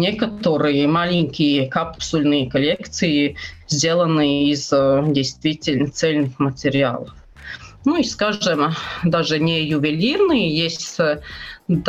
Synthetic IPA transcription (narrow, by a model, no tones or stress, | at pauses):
nʲekət̪əɾɨjəmalʲɪŋʲkʲɪjəkapsʊlʲnɨjəkɐlʲekt̪sɨjɪzʲdʲe̞lˠənɨjəizdʲejst̪vʲitʲɪlʲnt̪sɛlʲnɨxmətʲɪɾʲɪa̰lˠəf | nuiskaʐɨmd̪aʐɨnʲɪjʊvʲɪlʲirnɨjəjesʲtʲ | d̪